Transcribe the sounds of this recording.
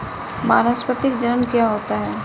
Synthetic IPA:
ma̰ːnaspət̪ɪkd͡ʒənənkjaɦoːt̪aɦɛː

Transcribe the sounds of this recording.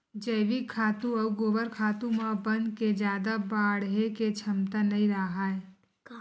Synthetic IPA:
d͡ʒəɪʋikʰːaːt̪ũɐuɡoːbəɾkʰaːt̪ũmãbənd̪ked͡ʒjaːd̪abaːɽɦeket͡ʃʰəmt̪anəĩɾaɦaːe

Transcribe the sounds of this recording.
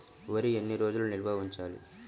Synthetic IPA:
ʋɐɾienːiɾo̞ːd͡ʒulunilbʱɐʋiɲt͡ʃaːlḭ

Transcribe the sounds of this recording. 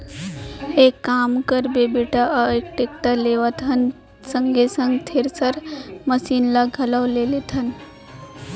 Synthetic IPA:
ekːaːmkəɾbebeʈaəekʈekʈəleʋət̪ʰən | səŋɡʱesə̃ŋɡt̪ʰeɾsəɾməsiːnlaɡʱələʋlelet̪ʰən

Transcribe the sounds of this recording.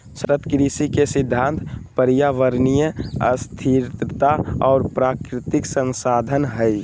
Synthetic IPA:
sɾət̪kɾisikesɪd̪ʱːãːnt̪pəɾjaʋəɾnijəə̰st̪ʰiɾt̪ət̪aɔːɾpɾaːkɾɪt̪ɪksə̃nsaːd̪ʱənɦəi

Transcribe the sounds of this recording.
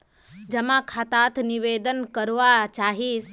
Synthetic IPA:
d͡ʒɐmãkʰat̪aːt̪ʰniʋeːd̪ənkəɾʋat͡ʃaːɦis

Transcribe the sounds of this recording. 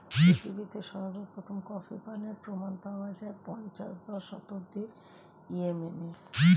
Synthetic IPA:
ppɾit̪ʰibit̪eʃɔbabeɾpɾot̪ʰomkɔfipaneɾpɾomanpaoad͡ʑaepɔɲt͡ɕa̰ʃd̪ɔʃɔ̰t̪oɾd̪i | iemene

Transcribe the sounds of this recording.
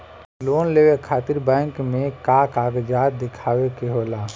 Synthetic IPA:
loːnleːʋekʰaːt̪ɪɾbɛ̃ːŋkmẽkakaːɡd͡ʒaːt̪̚d̪ɪkʰaːwekeɦoːlaː

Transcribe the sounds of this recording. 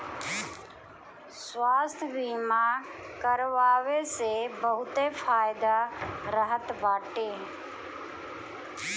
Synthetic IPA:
swaːst̪ʰbiːmakəɾʋaːʋesebəɦʊt̪efʰaːjd̪aɾəɦət̪baːʈeː

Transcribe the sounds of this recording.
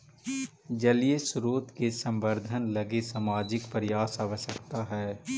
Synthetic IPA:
d͡ʒəliesʊɾoːt̪kesə̃mbəɾd̪ʱənlɐɡesamaːd͡ʒɪkpəɾɪjaːsaʋəʃəkt̪aɦɛː

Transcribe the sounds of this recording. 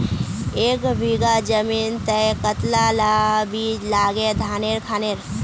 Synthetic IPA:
eːkbʱiɡad͡ʒəmiːnt̪əjkət̪lalabilaːɡed̪ʱaːneːɾkʰaːneːɾ

